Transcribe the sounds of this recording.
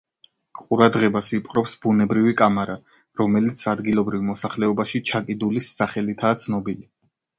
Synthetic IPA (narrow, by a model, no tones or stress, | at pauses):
qʼuɾad̪ʁɛbasipʼqʼɾɔpsbunɛbɾivikʼamaɾa | ɾɔmɛlit̪sʰad̪ɡilˠɔbɾivmɔsaχlɛɔbaʃit͡ʃʰakʼid̪ulisːaχɛlit̪ʰaːt̪sʰnɔbili